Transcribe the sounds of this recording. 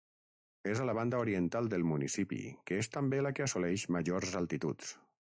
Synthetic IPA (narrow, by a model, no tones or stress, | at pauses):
ezalaβ̞and̪əuɾiənt̪alˠd̪əlˠmunḭsipḭkəest̪əmbelakəasolɛʃməʒorzalˠt̪it̪ṵt̪s